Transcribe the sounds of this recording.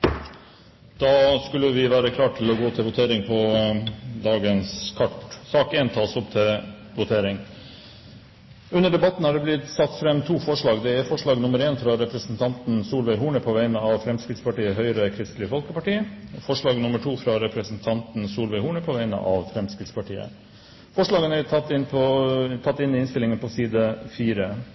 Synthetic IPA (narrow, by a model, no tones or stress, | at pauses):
d̪̥ɑːskʉlːəʋɪʋæːɾəkʰlɑːʈʰɪlɔɡoːt̪ʰɪlʋʊt̪ʰeːɾɪŋpʰɔ | d̪ɑːɡənskʰɑʈsɑːkeːnt̪ʰɑːsɔpt̪ʰɪl | ʋʊt̪ʰeːɾɪŋ | ʉnːəɖɛbɑt̪n̩hɑɖɛblɪt̪sɑt̪ːfɾɛmːt̪ʰuːfɔʂɭɑːɡd̪ɛæɾfɔʂɭɑːɡnʊməɾeːnfɾɑɾɛpɾəsnt̪ʰɑnt̪n̩suːlʋæɪɦuːɳəpʰɔʋæɪnəɑʋfɾɛmskɾɪt̪spɑʈiːəɦœʏɾəkʰɾɪst̪lɪəfɔlkəpɑʈiːəfɔʂɭɑːɡnʊməʈʰuːfɾɑɾɛpʰɾəsənt̪ʰɑnt̪n̩suːlʋæɪhuːɳəpʰɔʋæɪnə̰ʔɑʋfɾɛmskɾɪt̪spʰɑʈiːə̰ | fɔʂɭɑːɡənæɪnpʰɔt̪ʰɑt̪ːɪnɪɪnst̪ɪlɪŋənpʰɔsiːd̪əfiːɾə